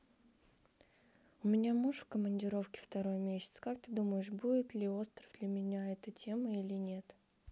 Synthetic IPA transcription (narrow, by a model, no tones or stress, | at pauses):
ʊmʲɪnʲamuʂfkəmənʲdʲɪɾo̞fkʲɪ̥ft̪ɐɾo̞jmʲesʲɪ̥t̪skak̚t̪ɨd̪uməjɪʂbudʲɪt̪lʲɪo̞st̪ɾəvd̪lʲəmʲɪnʲaɛt̪ətʲʰeməilʲɪnʲe̞t̪